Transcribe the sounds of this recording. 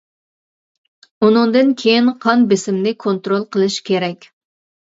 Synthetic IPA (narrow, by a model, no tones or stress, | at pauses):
unɨŋd̪ɨnkʲʰejinqʰɑnbɪsɪmnɪkʰont̪ɾolˠqʰəlˠɨʃkʲʰeɾɛkʲ